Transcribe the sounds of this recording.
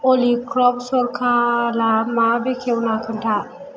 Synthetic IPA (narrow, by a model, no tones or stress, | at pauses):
olikɾɔp̚səɾkʰalamabekʰewnakʰəntʰa